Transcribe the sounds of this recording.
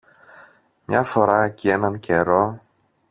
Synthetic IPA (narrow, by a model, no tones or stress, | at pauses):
mɲɐfo̞ɾɐcie̞nɐnce̞ɾo̞